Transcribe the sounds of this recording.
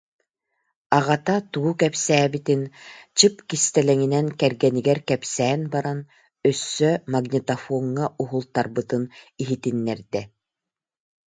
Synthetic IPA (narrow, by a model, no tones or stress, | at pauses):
aʁat̪at̪uːkɛpsæːbit̪int͡ɕɯpkist̪ɛlɛŋinɛnkɛɾɡɛniɡɛɾkɛpsɛːnbaɾan | œsːœmaɡnʲit̪afɔːŋːaʔuɦulˠt̪aɾbɯt̪ɯniɦit̪inːɛɾd̪ɛ